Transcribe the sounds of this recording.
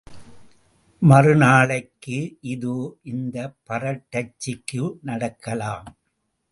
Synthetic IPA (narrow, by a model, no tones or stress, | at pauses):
mɐrɯnaːɭɐɪkːɯʔɪðuʔɪnd̪ɐpːɐɾɐʈːɐt͡ʃːɪkːɯnɐɽɐkːɐlaːm